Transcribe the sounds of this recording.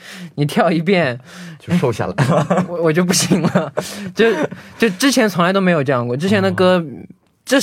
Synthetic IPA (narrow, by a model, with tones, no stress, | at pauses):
ni˨˩t̪ʰjɑ˥˩ʊi˧˥p̬jɛ˥˩nt͡ɕo˥˧ʂo˥˧ʊɕja̰˥˩la̰˩ɔ˧wɔ˨˩t͡ɕjo˥˧ʊp̬u˥˩ɕi˧˥ŋlə˧t͡ɕjo˥˧˩ʊt͡ɕjo˥˧˩ʊʈ͡ʂɻ̩˥t͡ɕʰjɛ˧˥nt͡sʰʊ˧˥ŋla˧˥t̪o˥me˧˥ɪjʈ͡ʂɤ˥˧jɑ˥˧ŋkwɔ˥˩ʈ͡ʂɻ̩˥t͡ɕʰjɛ˧˥nd̪ə˨˩kɤ˥ | ʈ͡ʂɤ˥˩